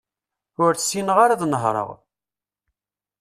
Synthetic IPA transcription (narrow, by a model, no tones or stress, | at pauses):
ʊɾt͡ssinəʁaɾaðnəɦɾˤə̰ʁ